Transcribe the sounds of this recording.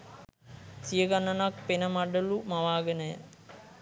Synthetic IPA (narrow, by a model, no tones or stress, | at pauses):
sijəɡanːənak̚penəmaɖəlumaʋaːɡənəjə̰